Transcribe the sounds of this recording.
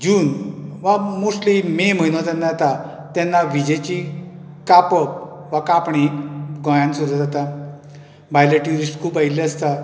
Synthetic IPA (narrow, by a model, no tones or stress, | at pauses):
d͡ʑuːnʋamuslimem̤əjnot̪anːajat̪a | t̪ɛnːaʋid͡ʑet͡ɕi | kapəp̚ | ʋakapɳiɡɔ̃jãnsud̪ʱad͡zat̪a | bʱajleʈjuɾisʈkuːpaileəst̪a